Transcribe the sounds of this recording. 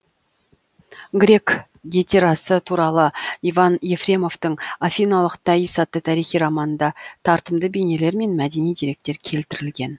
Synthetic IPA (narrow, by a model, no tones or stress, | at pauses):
ɡɾʲe̞k | ɡʲit̪ʰe̞ɾɑsət̪ʰuɾɑlˠəivɑnje̞frʲe̞mo̞vt̪əɴafʲijnɑlˠəqt̪ʰɑjəsɑt̪ːət̪ʰæɾijχijɾɑmɑnənd̪ɑt̪ʰɑɾt̪əmd̪əbene̞le̞ɾme̞nmæd̪e̞nijd̪iɾe̞k̚t̪e̞ɾkʲʰe̞lt̪ɪɾɪlɡʲe̞n